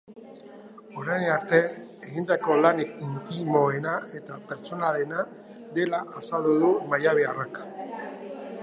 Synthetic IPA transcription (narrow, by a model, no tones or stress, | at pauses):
o̞ɾajnaɾt̪e̞eɣind̪ako̞lanikint̪imo̞e̞nae̞t̪ape̞ɾt͡ʃo̞nalena | d̪e̞laʔasald̪uðumajaβ̞earak